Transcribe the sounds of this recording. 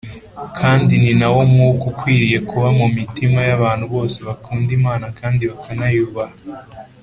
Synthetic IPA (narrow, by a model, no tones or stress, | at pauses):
kʰaːndininawo̞mukukwiːɾije̞kuβamumitimajaβaːn̥huβo̞ːse̞βakuːndimaːnakaːndiβakʰanajuːβaha